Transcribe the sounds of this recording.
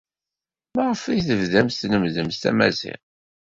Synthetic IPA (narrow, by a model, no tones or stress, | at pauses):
mæʁəfæjθəvðæmst̪nəmðəmst̪æ̰mæzɪ̰χ